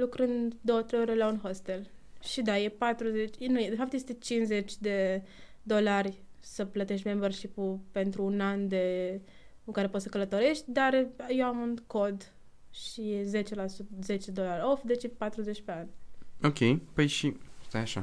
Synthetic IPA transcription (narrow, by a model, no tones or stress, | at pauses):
lukɾɨnd̪d̪o̞wət̪ɾejoɾʲelaunxost̪e̞lʃid̪aje̞pat̪ɾuze̞t͡ʃʲnujed̪e̞fap̚t̪je̞st̪e̞t͡ʃinze̞t͡ʃʲd̪e̞ | d̪o̞larʲsəplət̪e̞ʃt̪ʲmemberʃipupe̞nt̪ɾuːnand̪e̞ | ukaɾe̞po̞t̪səkələt̪o̞ɾe̞ʃt̪ʲd̪arjewamunko̞d̪ | ʃije̞ze̞t͡ʃe̞lasut̪ze̞t͡ʃed̪o̞laɾʲo̞fd̪e̞t͡ʃjepat̪ɾuze̞t͡ʃʲpe̞anʲokʲʰe̞jpəjʃist̪ajaʃa̰